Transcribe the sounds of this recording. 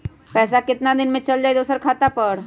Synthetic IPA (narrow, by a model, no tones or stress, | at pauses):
pɛːsakɪt̪nad̪ɪnmẽt͡ʃɐld͡ʒaːɛd̪oːsəɾkʰaːt̪apɐɾ